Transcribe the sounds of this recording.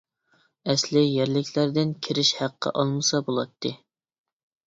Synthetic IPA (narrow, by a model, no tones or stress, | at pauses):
ɛslɪjæɾlɪkʲʰlæɾd̪ɪnkʲʰiɾɪʃhæqʰːə̰ʔɑlˠmɨsɑbolˠɑt̪ʰːɨ